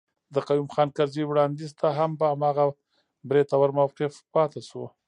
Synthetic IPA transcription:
d̪əqajumxɑnkaɾziwɽɑnd̪izt̪aɦambaːmɑɣa | bɾet̪awaɾmawqɪfpɑt̪eʃu

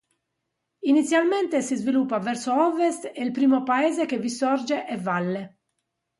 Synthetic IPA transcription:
init̪sːjalmɛnt̪esizvilupːavɛɾsoɔvest̪eilpɾiːmopaɛːzekevisɔrd͡ʒeʔɛvalːe

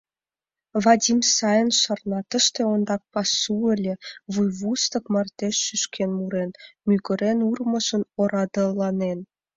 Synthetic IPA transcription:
vɑdʲimsɑjənʃɑrnɑt̪ə̆ʃt̪ĕond̪ɑk̚pɑsuelʲeβujβust̪ə̆kmɑrt̪eʃːyʃkʰenmuɾenmyɣə̆ɾenurmə̆ʒə̆noɾɑd̪ə̆lɑnen

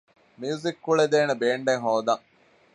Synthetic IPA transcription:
miuzikːuɭed̪eːnebeːɳɖeŋɦoːd̪ɐŋ

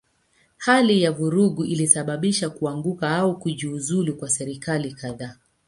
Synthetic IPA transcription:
halijavuɾuɠuʔilisaɓaɓiʃakuaŋɡukaaukuʄiːzulikwasɛɾikalikaðaː

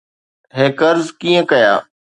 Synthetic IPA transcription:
ɦẽːkəɾzkiːə̃kɐja̰ː

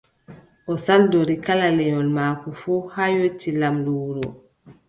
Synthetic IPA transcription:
ʔɔsaldoɾikalalɛɲɔlmaːkufuːhajotːilamdɔwuɾɔ

